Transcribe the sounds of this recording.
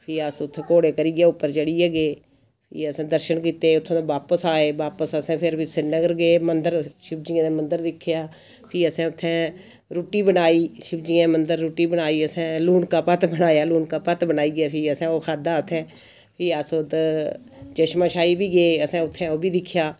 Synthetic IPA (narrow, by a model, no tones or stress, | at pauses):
pʰiːəsʊt̪ʰːkoːɽeːkəɾiːɡjeːʊpːəɾt͡ʃəɽiːeːɡeː | pʰḭːəsɛ̃ːd̪əɾʃənk̬iːt̪eːʊt̪ʰːẽːõʋaːpəsaːeːʋaːpəsəsɛ̃ːpʰɪɾbisɪɾnəɡəɾɡeːmənd̪əɾʃɪb̚d͡ʒiːãːneːmənd̪əɾd̪ɪkʰːjaː | pʰiːəsɛ̃ːʊt̪ʰːɛ̃ː | ɾuːʈiːbənaːiːʃɪbd͡ʒiːãːmənd̪əɾːoːʈiːbənaːiːəsɛ̃ːluːnkaːpət̪bənaːjaːluːnkaːpət̪bənaːiːɡjaːpʰiːəsɛ̃ːoːkʰaːd̪aːət̪ʰːɛ̃ː | pʰiːəsot̪ | d͡ʒəʃmãːʃaːiːbiːɡeːəsɛ̃ːʊt̪ʰːɛ̃ːoːbiːd̪ɪkʰːjaː